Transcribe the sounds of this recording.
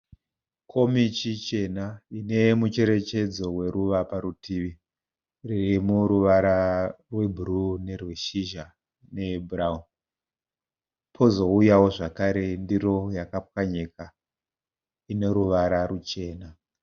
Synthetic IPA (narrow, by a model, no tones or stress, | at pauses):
kʰo̞mit͡ʃit͡ʃe̞naine̞mut͡ʃe̞ɾe̞t͡ʃe̞d͡zo̞we̞ɾuʋapaɾutʰiːʋi | ririmuɾuʋaɾarwe̞bʱurune̞rweʃiʒa | ne̞bʱuraum | pʰo̞zo̞ujawo̞ʐakaɾe̞ndiro̞jakap̚waɲeka | ine̞ɾuʋaɾarut͡ʃe̞ːna